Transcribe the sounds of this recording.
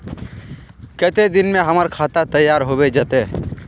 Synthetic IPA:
kət̪ed̪ɪnmeɦəməɾkʰat̪at̪əjːaɾɦobed͡ʒət̪e

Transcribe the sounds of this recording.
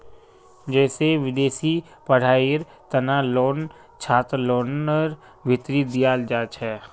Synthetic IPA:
d͡ʒɛːseʋɪd̪eːsi | pɐɽ̤aːiɾ | t̪ɐnaːlɔːn | t͡ʃʰaːt̪ɾlɔːnəɾ | ʋɪt̪ɾid̪ɪjaːld͡ʒaːt͡ʃɦɛː

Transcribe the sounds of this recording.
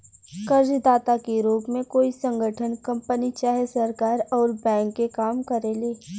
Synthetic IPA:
kəɾd͡ʒd̪aːt̪akeɾuːpmẽkoːisə̃ŋɡʱəʈʰənkɐ̃mpənit͡ʃaːɦesɐɾkaːɾɔːɾbɛ̃ːŋkːekaːmkəɾeleː

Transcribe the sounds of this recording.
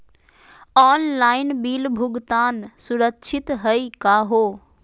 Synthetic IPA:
ɔːnlaːɪnbiːlbʱʊɡt̪aːnsʊɾəkt͡ʃʰɪt̪ɦɐikaːɦoː

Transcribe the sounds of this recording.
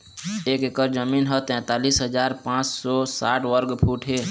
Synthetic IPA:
eːkekəɾd͡ʒəmiːnɦət̪ɛ̃ːt̪aːliːsɦəd͡ʒaːɾpãːt͡ʃsɔsaːʈʰwəɾɡpʰuːʈʰɦeː

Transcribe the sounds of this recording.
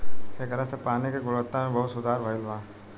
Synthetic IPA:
ekɐɾasepaːnikeɡʊlət̪ːãmẽbɐɦʊt̪sʊd̪ʱaːɾbʱaɪlʋãː

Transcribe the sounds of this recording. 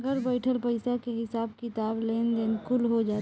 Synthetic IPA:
ɡəɾbəɪʈʰəlpəɪsakeɦɪsaːbkɪt̪aːbleːnd̪eːnkʊlɦod͡ʒaːt̪

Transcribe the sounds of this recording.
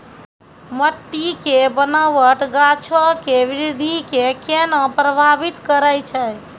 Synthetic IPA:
məʈːikebənaʋəʈɡat͡ʃʰəkeʋɾid̪ʱikekenapɾəbʱabit̪kəɾəjt͡ʃʰəj

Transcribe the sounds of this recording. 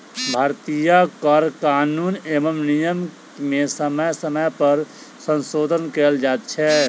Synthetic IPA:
bʱaːɾt̪ijakəɾkaːnuːneːməmnijəm | mẽsəməsəməjpəɾ | sə̃nsoːd̪ʱənkeld͡ʒaːt̪̚t͡ʃʰɛ

